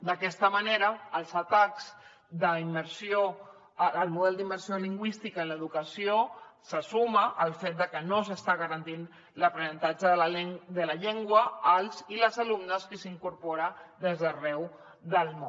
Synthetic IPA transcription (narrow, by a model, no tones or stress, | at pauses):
d̪əkɛst̪əməneɾəːlˠzət̪akz̥ | d̪əiməɾsio | əlˠmuðɛlˠd̪imbəɾsioliŋɡwist̪ikaələðukəsiosəsuməʔːlˠfet̪̚d̪əkənosəst̪aɣəɾənt̪in | ləpɾənənt̪ad͡ʒəðd̪ələʎeŋɡwəəlˠziləzalumnəskəsiŋkuɾpɔɾəd̪ezðərɛw | ðəlˠmõ